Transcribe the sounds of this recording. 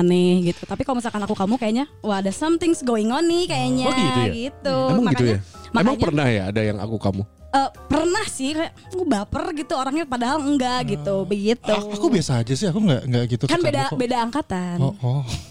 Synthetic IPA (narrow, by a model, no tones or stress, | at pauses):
nɪhɡit̪u̥t̪apikalomis̬alkanakukamukajaʔɲawahadasamt̪ɪŋsɡoiŋonikajaɲait̪ujaɡit̪umaŋɡiat̪ujamaemmaŋpərnahja̰ːdaja̰ŋa̰kukamu | əːpərnahsɪhɾɛʔ | kubapərɡit̪uoɾaŋɲapadaɦalŋɡaʔɡit̪ubəɡit̪uakubiasaːd͡ʒasɪhakuŋɡa̰ʔŋɡaʔɡit̪ukanbedabedaːŋkat̪anɔʔɔ